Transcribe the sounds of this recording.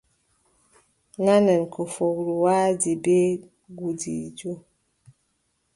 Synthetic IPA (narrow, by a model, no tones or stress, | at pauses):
nanɛnkʰofoɡɾuwadibe | ɡudḭd͡ʒo